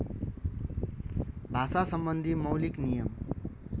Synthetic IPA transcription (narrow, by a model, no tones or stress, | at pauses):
bʱasasʌmbʌnd̪ʱimʌwliknijʌm